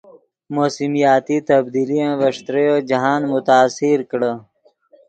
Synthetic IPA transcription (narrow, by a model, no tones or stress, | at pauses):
moːsimijaːt̪it̪ɐbd̪ilijãʋɐʂt̪ɾejod͡ʒɐɦaːnmʊt̪aːsiɾkɽə